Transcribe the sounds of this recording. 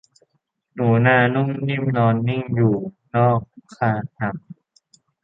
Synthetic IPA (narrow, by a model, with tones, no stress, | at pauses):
nuː˩˦naː˧nu˥˩ŋni˥˩mnɔː˧nːi˥˩ŋjuː˨˩ | nɔː˥˩k̚ʰːaː˧nʰa˨˩˦m